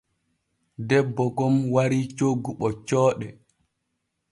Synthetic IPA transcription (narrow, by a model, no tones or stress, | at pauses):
dɛbːɔɡɔmwaɾit͡ʃoɡːuɓɔt͡ʃɔːɗɛ